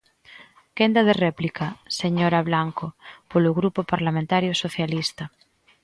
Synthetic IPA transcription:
kend̪að̞ereplikaseɲoɾaβlaŋkopoloɣɾupopaɾlamẽnt̪aɾjosoθjalist̪a

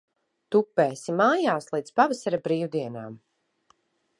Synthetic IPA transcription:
t̪upːeːsimaːjaːslˠid̪spavasaɾabɾiːwd̪iɛna̰ːm

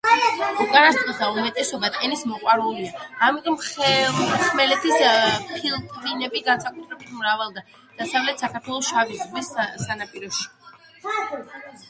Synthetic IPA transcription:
uɡʼanast̪ʼɔd̪aumɛt̪ʼɛsɔbat̪ʼɛnismɔqʼwaɾuliaːmit̪ʼɔmχ | χmɛlɛt̪ʰispʰilˠt̪ʼvinɛbiɡansakʼut̪ʰɾɛb̚t̪mɾavalˠd̪a | d̪̥asavlɛt̪ʰsakʰaɾt̪ʰwɛlˠɔsʃavizʁisːanapʼiɾɔʃi̥

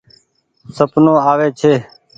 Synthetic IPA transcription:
səpnõːaːʋeːt͡ʃʰeː

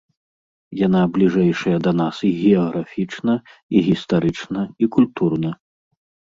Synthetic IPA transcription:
janablʲiʐɛjʂɐjɐd̪ɐnasiɣʲɛɐɣɾʔafʲit͡ʂnɐiɣʲist̪aɾɨt͡ʂnɐikulʲt̪urnɐ

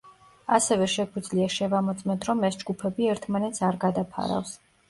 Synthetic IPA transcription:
asɛvɛʃɛɡwid̪zliaʃɛvamɔt̪sʼmɛnt̪ʰɾɔmɛsd͡ʒɡupʰɛbiɛɾt̪ʰmanɛt̪sʰaɾɡad̪apʰa̰ɾa̰fs

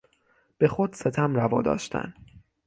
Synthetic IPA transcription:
b̥e̞xod̪set̪ʰæmrævɒːd̪ɒ̰ːʃt̪ʰæ̰n

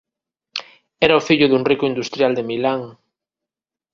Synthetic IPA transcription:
ɛɾɐʊfiʎʊðuŋrikʊind̪ust̪ɾjald̪emilaŋ

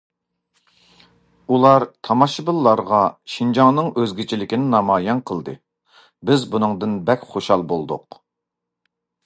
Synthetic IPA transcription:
ulˠɑɾt̪ʰɑmɑʃɨbɨlˠːɑɾʁɑʃind͡ʒɑŋnɨŋøzɡʲit͡ʃʰilɪkʲinɪnɑmɑːjɑnqʰəlˠd̪ɨ | bɪzbunɨŋd̪ɨnbɛkʲχoʃhɑlˠbolˠd̪ʊq

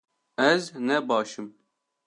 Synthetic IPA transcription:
ɛznɛbɑːʃɨm

